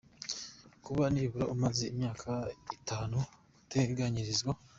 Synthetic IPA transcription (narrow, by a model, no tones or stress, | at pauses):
kuβaniβuɾoʔumazeimɲaːkʰaitaːnu | teɡaɲiɾizɡwa